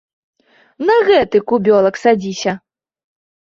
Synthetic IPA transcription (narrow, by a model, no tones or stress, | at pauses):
nɐɣɛt̪ɨkubʲɔlˠɐksad͡zʲisʲɐ